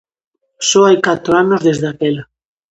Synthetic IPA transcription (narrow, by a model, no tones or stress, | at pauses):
soajkat̪ɾoanozðezðakela